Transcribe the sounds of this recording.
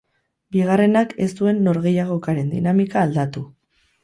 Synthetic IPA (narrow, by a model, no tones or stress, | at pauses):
biɣ̞are̞nake̞st̪ue̞nːo̞ɾɣe̞jaɣ̞o̞kaɾe̞nd̪ḭnamikaːld̪at̪u